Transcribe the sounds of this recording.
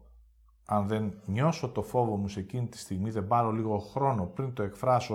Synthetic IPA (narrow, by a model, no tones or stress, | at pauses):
ɐnðe̞nɲo̞so̞t̪ofo̞vo̞muse̞cinit̪i̥st̪iɣmiðe̞bɐɾo̞liɣo̞xɾo̞no̞pɾint̪o̞e̞kfɾɐso